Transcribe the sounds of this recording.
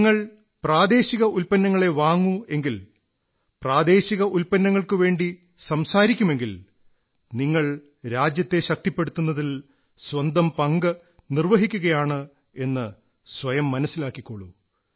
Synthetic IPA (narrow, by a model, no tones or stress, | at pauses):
ŋːɐɭ | praːd̪e̞ːɕiɣɐulpɐnːɐŋːɐɭe̞ʋaːŋːue̞ŋɡil | praːd̪e̞ːɕiɣɐʔulpɐnːɐŋːɐɭkɨʋe̞ːɳɖi | sɐmsaːɾikʲːume̞ŋɡil | niŋːɐɭ | ɾaːd͡ʑjɐt̪ːe̞ɕɐk̚t̪ipːe̞ɽut̪ːunːɐðil | swɐnd̪ɐmpɐŋɡɐ | nirʋɐɦikʲːuɣɐjaːɳɨ | e̞nːɨ | sʋɐjɐmːɐnɐsːilaːkːikːoːɭṵ